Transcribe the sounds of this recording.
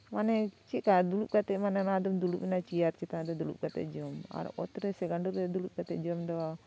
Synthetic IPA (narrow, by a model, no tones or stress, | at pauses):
manɛt͡ʃikad̪ulup̚kat̪ɛmanɛnad̪ɔmd̪uluʔ̚minat͡ʃiaɾt͡ʃit̪aad̪ɔd̪ulṵp̚ɡat̪ɛ̰ʔd͡ʒɔma̰ɾɔ̰t̪ɾɛsɛɡaɳɖuɾd̪ɛd̪ulup̚ɡat̪ɛ̰ʔd͡ʒɔmd̪ɔa